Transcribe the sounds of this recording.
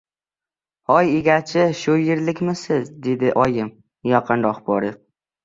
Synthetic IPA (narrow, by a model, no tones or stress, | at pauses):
hɒjeɡʲat͡ʃʰɪʃʊjɪɾlɪkʲmɪsɪzd̪e̞d̪ɪʔɒjɪm | jɒqʰɨnɾɒqbɒɾɪ